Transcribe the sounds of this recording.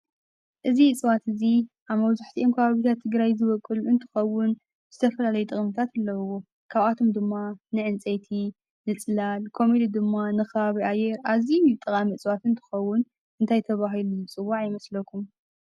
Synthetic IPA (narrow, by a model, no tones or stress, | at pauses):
ʔɨziɨt͡sʼβat̪ɨzi | ʔaβmɐβzaħt̪ʰiʔomkʰɐβaβit̪ʰat̪ʰːɨɡɾajzɨβɐkʼːɨluɨnt̪ʰɨ̥xɐwːʊn | z̥ɨt̪ʰɐfɐlalɐjut̪ʼɨχʼmɨt̪ʰat̪ɨlːɐwo | kʰaβʔat̪ʰomd̪ɨmːanɨʕɨnt͡sʼejt̪ʰi | nɨt͡sʼlalkʰo̞med̪id̪ɨmːanɨxɐβaβiʔajɛɾʔazit̪ʼɨkʼamiɨt͡sʼβat̪ɨnt̪ʰɨ̥xɐwːʊn | ɨnt̪ʰajt̪ʰɐβaɦiluɨt͡sʼɨwːaʕjɪmɐslɐkʰum